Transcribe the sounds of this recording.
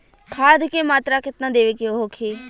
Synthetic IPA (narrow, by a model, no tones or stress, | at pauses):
kʰaːd̪ʱkeːmaːt̪ɾaːkɪt̪nãːd̪eːʋeːkeoɦoːkʰeː